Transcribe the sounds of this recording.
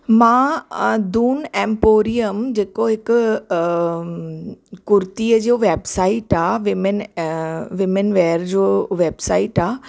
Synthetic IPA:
mãːd̪uːnɛ̃ːmpoːɾijəmd͡ʑeːkoɦɪkʊ | kʊɾt̪iːəd͡ʑoʋeːbsaːɪʈaːʋɪmen | ʋɪmenʋɛːɾd͡ʑoːʋeːbsaːɪʈaː

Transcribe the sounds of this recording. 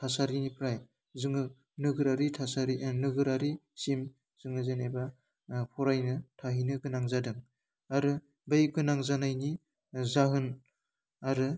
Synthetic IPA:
tʰasaɾinipʰɾaj | zɯŋɯ | nɯɡɯɾaɾitʰasaɾinɯɡɯɾaɾi | sim | zɯŋɯzeneba | pʰɔɾajnɯtʰaɦinɯɡɯnaŋzadɯŋ | aɾɯ | bejɡɯnaŋzanajni | zaɦɯn | aɾɯ

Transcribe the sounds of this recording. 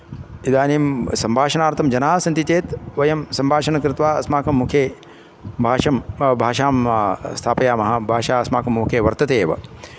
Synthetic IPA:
id̪aːniːmsɐmbʱaːʃɐnaːɾt̪ʰɐmd͡ʒɐnaːsɐnt̪it͡ʃeːt̪ʋɐjɐmsɐmbʱaːʃɐnɐkɾɪt̪ʋaːɐ̰smaːkɐmːukʰeː | bʱaːʃɐmbʱaːʃaːmst̪ʰaːpɐjaːmɐɦɐbʱaːʃaːɐsmaːkɐmːukʰeːʋɐɾt̪ɐt̪eːʋɐ̰

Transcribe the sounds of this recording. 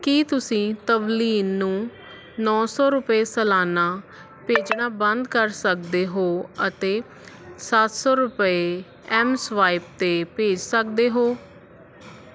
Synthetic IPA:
kiːt̪ʊsĩːt̪əbliːlnũː | nɔːsɔːɾʊpeːsəlaːnaː | peːd͡ʒnaːbənd̪kəɾsəkd̪eːɦoːət̪eː | sat̪sɔːɾʊpəeː | ɛːmsʋaːɪp̚t̪eːpeːd͡ʒsək̚d̪eːɦoː

